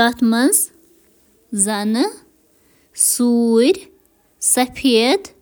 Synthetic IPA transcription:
at̪mɐnz | zɐnɨ | suːɾʲ | sɐpʰid̪

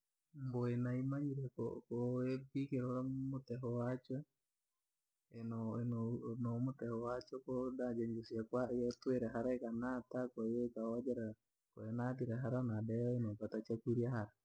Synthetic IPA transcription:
mboenaimaɲiɾɛko̰koepikeɾoɾamotɛɦɔwat͡ʃwɛ | enɔnonomotɛhɔwat͡ʃɔkodad͡ʒɛɲd͡ʒusiakwajɛtweɾɛɦaɾaekanatakwajekaad͡ʒɛɾa | koɛnatiɾɛɦaɾanadɛɔenopatat͡ʃakuɾjahaɾa

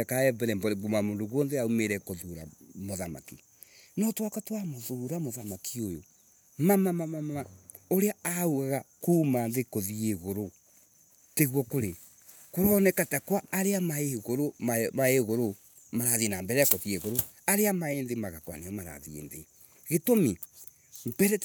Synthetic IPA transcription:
akaɛbɛɾɛmbɔɾeɡumamondoɣwɔnðeaumeɾɛkoðoɾa̰moðama̰ki | nɔtwakatwamoðoɾamoðamakiojo | mamamamamama | oɾeaauɣaɣakuːmanðekoðieɣoɾo | teɣwɔkoɾe | koɾɔnɛkatakwaːɾeamaeɣoɾomamaeɣoɾo | maɾaðienambɛɾɛakoðieɣoɾo | aɾeamaeːnðemaɣakwa̰neɔmaɾa̰ðiḛnðḛ | ɣetomi | mbɛɾɛ

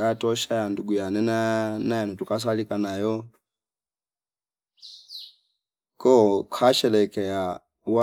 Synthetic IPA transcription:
atʼɔʃajanduɡujanɛnanajanɔtukʼas̬alikʼanajɔ | kʼɔkʰaʃɛlɛkʼɛja | wa

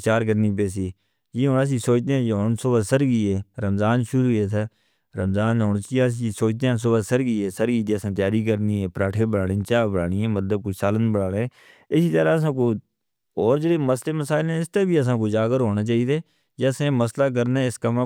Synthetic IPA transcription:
t͡ʃaːɾkəɾniːpeːs̬iː | jeːɦoːnaːs̬iːsoːt͡ʃd̪eːɛ̃ːd͡ʒeɦoːnsobəsəɾɡiːeːɾəmzaːnʃʊɾuːeːt̪ʰa | ɾəmzaːnoːnːsiːas̬isoːt͡ʃd̪eːɛ̃ːs̬oːbəsəɾɡiːeːsəɾɡiːt̪eːəsãːt̪jaːɾiːkəɾniːɛ̃ːpɾaːʈʰẽːbəɽaːɽeːt͡ʃaːbəɽaːɽiɛ̃ːmət̪ləb̚koːsaːlənbəɽaːɽeː | ɪsiːt̪əɾaːəs̬ãːkoː | ɔːɾd͡ʒeɽeːməsleːməsaːɪlɛ̃ːɪst̪ebiːəs̬ãːkoːd͡ʒaːɡəɾɦoːnaːt͡ʃaːiːd̪eː | d͡ʒesẽːməslaːk̬əɾneːɪskəm

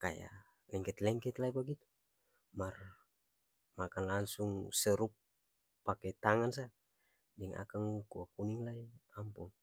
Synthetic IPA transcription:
kaja̰ | lɛŋkɛt̪lɛŋkɛt̪laipaɡit̪u̥ | mar | makanlaŋsuŋsɛɾupː | akɛt̪aŋans̬a | dɛŋa̰kaŋkuakuniŋlaiampuŋ

